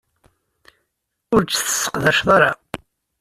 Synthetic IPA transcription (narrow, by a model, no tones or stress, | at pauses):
ʊɾt͡sθə̥sːə̥qðæʃðˤɑɾa